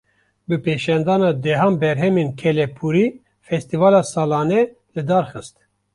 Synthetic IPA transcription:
bɨpeːʃɑnd̪ɑːnɑːd̪ɛɦɑːnbɛɾɦɛmeːnkʰɛlɛpʰuɾiː | fɛst̪ivɑːlɑːsɑːlɑːnɛ | lɨd̪ɑːɾxɨst̪

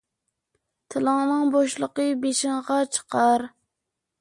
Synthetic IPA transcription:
t̪ʰɨlˠɨŋnɨŋboʃlˠəqəbeʃɪŋʁɑt͡ʃʰə̥qʰɑɾ

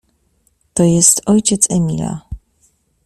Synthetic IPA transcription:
t̪ɔjɛst̪ɔjt͡ɕɛt̪sɛmʲḭlʲa̰

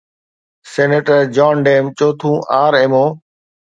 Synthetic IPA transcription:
seːneːʈəɾd͡ʒɔːnɖeːmt͡ʃoːt̪ʰũːʔaːɾeːmoː

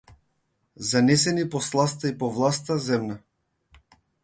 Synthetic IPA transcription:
zanɛsɛnipɔslˠas̬t̪aipɔvlˠast̪azɛmna

